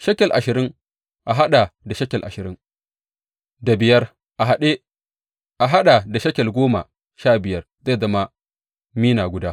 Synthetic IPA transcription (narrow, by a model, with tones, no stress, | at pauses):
ʃɐ˦kʲɛ˨lʔa˨ʃɪ˨ɾɪ˦ŋ | ʔa˨ɦa˦ɗa˨da˨ʃɐ˦kʲɛ˨lʔa̰˨ʃɪ˨ɾɪ˦ŋ | da˨bɪ˨jɐ˦r | ʔa˨ɦa˨ɗe˦ | ʔa˨ɦa˦ɗa˨da˨ʃɐ˦kʲɛ˨lɡʷoː˦ma̰˨ | ʃaː˦˨bɪ˨jɐ˦r | za˦˨zɐ˦ma˦ | miː˦naː˨ɡʷʊ˦daː˦